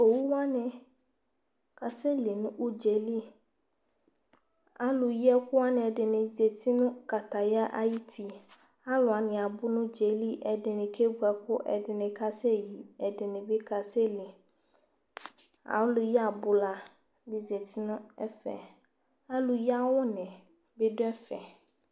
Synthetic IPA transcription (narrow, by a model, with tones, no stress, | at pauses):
o˨wu˦wa˦nɪ̃˨ | ka˨se˦li˨nʊ̃˦u˦d͡ʒe˨li˦ | a˦lʊ˨ji˦ɛ˦kʊ˦wa˦nɪ̃˨ɛ˨dɪ˨nɪ̃˨ze˨t̪i˦nʊ̃˦ka˨t̪a˨ja˦ʔa̰˦ji˦t̪ʰi˨ | a˦lʊ˨a˨nɪ̃˨a˨bʊ˦nʊ̃˦d͡ʒe˨li˦ʔɛ˨dɪ˨nɪ̃˨kʰe˦bu˨˦ɛ˨kʊ˦ʔɛ̰˨dɪ˨nɪ̃˨ka˦se˦ji˨ɛ˨dɪ˨nɪ̃˨be˦kʰa˨sɛ˦li˨ | a̰˨wlʊ˨ji˦a˨bʊ˨la˨ | bi˨ze˨t̪ʰi˦nʊ̃˦ɛ̰˦fɛ̰˨ | a˦lʊ˨ji˦a˦wʊ˦nɪ̃˨ | bɪ˦dʊ˦ɛ˦fɛ˨